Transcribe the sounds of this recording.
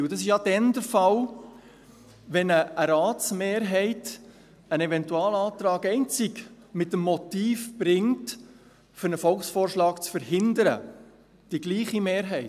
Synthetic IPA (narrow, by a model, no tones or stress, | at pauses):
d̥ɑsɪʃjɑd̥ɛndəɾfɑl | ʋɛnəəɾaːtt͡smeːɾɦɛɪt | ənɛvɛntuɑːləɑːt̪ɾɑːkɛɪnt͡sɪɡ | mɪtəmːɔtiːfb̥ɾɪŋt | fʏɾnəfɔlχsfoːrʃlɑːkt͡sfəɾɦɪndəɾə̰ | d̥iɡliːχimeːɾɦɛɪ